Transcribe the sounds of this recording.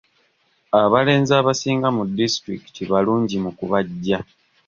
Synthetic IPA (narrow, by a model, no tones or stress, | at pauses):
aβale̞ːnzaːβasiːŋɡamudːistɾiki̥tiβaluːɲɟimukuβaɟːa